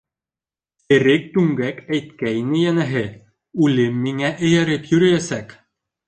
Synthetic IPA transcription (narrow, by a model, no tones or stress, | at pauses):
ɘ̆ɾɘk̚t̪ʉŋɡækæjt̪̚kæjnɘjænæɦɘ | ʉlɘmːiŋæʔɘ̆jæɾɘpjɵ̆ɾɘ̆jæsæk